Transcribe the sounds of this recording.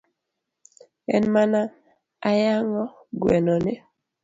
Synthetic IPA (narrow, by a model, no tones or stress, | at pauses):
ɛnmana | ajaŋɔ | ɡwɛnɔne